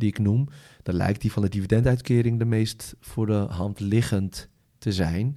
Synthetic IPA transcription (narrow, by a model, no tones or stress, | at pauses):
diɪknum | d̥ɔnlɛ̰jk̚tdifɔndədividɛntœɥtkɪːɾɪŋdəmejstfʊːdəɦɑntlɪɣəntː | əzɛjn